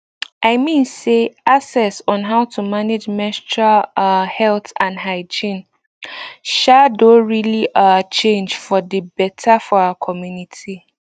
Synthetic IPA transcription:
aɪmĩnseasɛsɔ̃nɦaʊtʰumãned͡ʒmɛst͡ʃahɛltʰãnɦaɪd͡ʒĩn | ʃadoɹiliʔat͡ʃʰẽnd͡ʒfɔdəbɛtʰafɔaəkʰɔmjũnitʰi

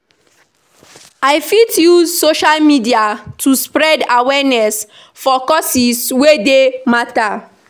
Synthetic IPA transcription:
aɪfitjuzsoʃalmidiatʰuspɹɛdawɛnɛs | fɔkɔsiswedemata

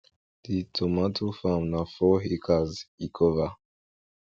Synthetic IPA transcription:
ðitʰɔmatʰofamnafɔɦikʰazikʰɔva

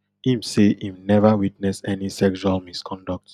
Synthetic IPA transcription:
ĩmseĩmnɛvawitnɛsɛnisɛkʃualmiskʰɔ̃ndɔk̚t

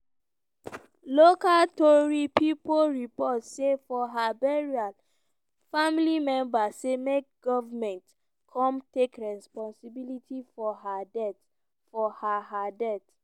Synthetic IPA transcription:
lokaltɔɹipipoɹipɔtsefɔɦabɛɹial | familimɛ̃mbasemek̚ɡɔvamɛ̃nt | kʰɔ̃mtekɹɛspɔ̃nsibilitʰifɔɦadɛt | fɔhaɦadɛt

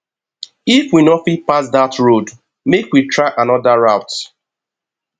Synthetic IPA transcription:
ifwinɔtfit̚pas̬datɹod | mekwitɹaɪʔãnɔdaɹaʊt

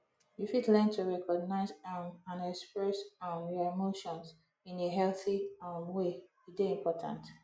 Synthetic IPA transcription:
jufidlɛ̃ntʰuɹɛkʰɔɡ̚naɪzamãnɛkspɹɛsãmjɔemoʃɔ̃nz | ĩneɦɛlθiãmwe | ideĩmpʰɔtʰã̰nt

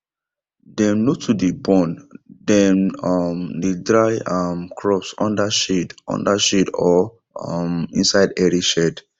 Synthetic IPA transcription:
dɛ̃mnotʰudebɔ̃ndɛ̃nɔmdedɹaɪamkʰɹɔpsɔ̰̃ndaʃedɔ̰̃ndaʃedɔ | mĩnsaɪdɛɹiʃɛd

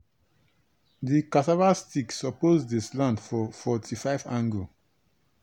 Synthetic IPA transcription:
dikatavastiksɔpozdislãndfɔfɔtʰifaɪvãŋɡlo

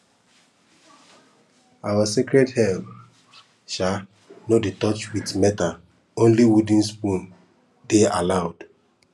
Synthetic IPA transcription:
awasikɾɛdhɛl | ʃa | noditɔt͡ʃwitmɛta | õnliwudĩnspũn | dealaʊd̥

